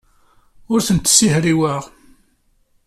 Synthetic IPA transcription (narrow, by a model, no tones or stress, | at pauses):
ʊɾθənt̪ːsihɾiwəʁ